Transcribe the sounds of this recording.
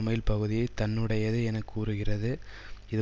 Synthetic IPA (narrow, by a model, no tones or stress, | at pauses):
mɐjɪlpɐɣɯðɪjɐɪt̪ɐɳːɯɽɐjɐðɯɛnɐkːuːɾɯɣɪrɐðɯ | ɪðɯ